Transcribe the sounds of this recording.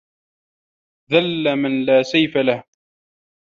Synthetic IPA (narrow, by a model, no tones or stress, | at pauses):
ðalːamanlaːsajfalah